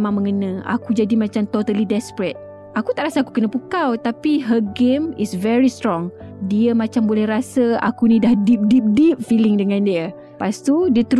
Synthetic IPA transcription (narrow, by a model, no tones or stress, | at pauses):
mãŋmə̃ŋənə̃a̰kud͡ʒadimãt͡ʃamt̪ot̪alidɛspɾɛt̪̚ | akut̪aʔɾasaaku̥kənəpukawt̪apiɦəɡemisvɛɾist̪ɾɔŋ | diəmãt͡ʃambolɛhrasəa̰kunĩdahdip̚dip̚dip̚filɪŋdəŋãndiə | past̪udiət̪əɾ